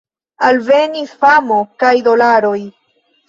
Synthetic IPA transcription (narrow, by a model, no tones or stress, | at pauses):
alve̞nisfamokajd̪o̞laɾo̞j